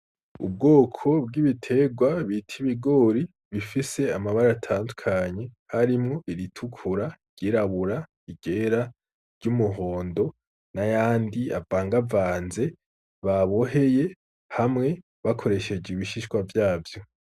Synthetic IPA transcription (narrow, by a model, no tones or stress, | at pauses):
ṵb̚ɡo̞ːkʰo̞b̚ɡiβitʰe̞ɡwaβitʰiβiɡo̞ːɾi | βifise̞amaβaɾaːtʰaːndukʰaɲe̞haɾimŋo̞ʔiɾitʰukʰuɾaɾɟ̥iɾaβuɾa | iɡ̥e̞ɾa | ɾɟumuɦo̞ːndo̞ | najaːndia̰vaːŋɡavaːnze̞ | βaβo̞ɦe̞je̞ | hamŋe̞ | βakʰo̞ɾe̞ʃe̞d͡ʒeiβiʃiʃkwavjaːvjo̞